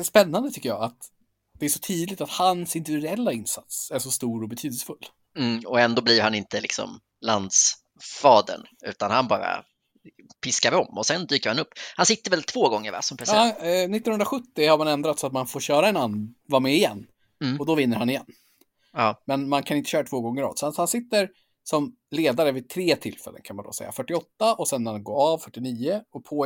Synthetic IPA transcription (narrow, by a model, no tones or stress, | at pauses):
spɛnːand̪ət̪ʰʏkːəjɑ̰ːat̪ | d̪̥ɛæʂɔ̥t̪ʰyːd̪lɪt̪at̪hansɪnt̪ːɾɛlːaɪnsat̪sæʂɔst̪uːɾɔbɛt̪ʰyːd̪əsə̥fɵl̩ː | ɔɛnd̪oːblivɾhanɪnt̪əlɪksɔ̰m | land̪s | fɑːd̪ə̰ɳʉ̟ːt̪anhanbɑ̰ːɾa̰ | pʰɪskaɾvɪɔmːɔsɛnd̪yːkəɾɪhanɵpːhansɪt̪ːəɾvɛlt̪ʰv̥oːɡɔŋːəɾvæ̰ʂɔmpʰɾɛsnɪt̪ːɔnɵnd̪ɾaɧɵt̪ːɪhaɾmanɛnd̪ɾat̪sɔat̪manfoːɾɕœːɾaɛnanvaːɾmɛɪjɛ̰nː | ɔd̪ɔvɪnːəɾhanɪjɛnː | mɛnmankʰanɪnt̪əɕœːɾat̪ʰv̥oːɡɔŋːəɾɑ̰ːd̪sɔhanhansɪt̪ːəɾ | sɔm | leːd̪aɾəvɪt̪ʰɾeːt̪ʰɪlfɛ̰lːə̰nkʰanmand̪ɔ̰sɛ̰jːa̰fœʈːɪɔt̪ːaʔɔsɛnːɾanɡoːɾavfœʈːɪniːəɔpʰoː